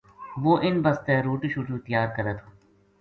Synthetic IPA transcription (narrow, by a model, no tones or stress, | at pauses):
ʋoːʔɪnbəst̪eɾuːʈiʃuːʈut̪əjaːɾkəɾət̪ʰː